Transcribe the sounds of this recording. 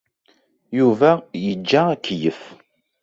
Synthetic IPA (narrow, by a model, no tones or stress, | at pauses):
juvæjəd͡ʒːæækːjəf